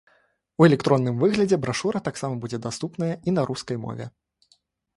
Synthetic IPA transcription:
uɛlʲɛk̚t̪ɾɔnːɨmvɨɣlʲɐd͡zʲɛbɾaʂuɾɐt̪aksamɐbud͡zʲɛd̪ast̪upnɐjɐinɐɾʔuskɐjmɔ̰vʲɛ̰

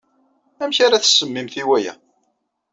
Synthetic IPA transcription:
æmçaɾaθə̥sːəmːimθiwæjæ̰

